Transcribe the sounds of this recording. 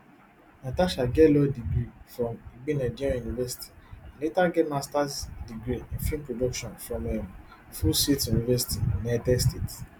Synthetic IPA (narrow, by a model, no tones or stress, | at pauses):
nataʃaɡɛlɔdiɡɾifɾɔ̃miɡ͡binad͡ʒiɾiãjunivɛsi̥ti̥ãletaɡɛmastasdiɡɾiĩnfĩmpɾodɔkʃɔ̃nfɾɔ̃mɛm | fusetjunivɛsi̥tĩnadɛstet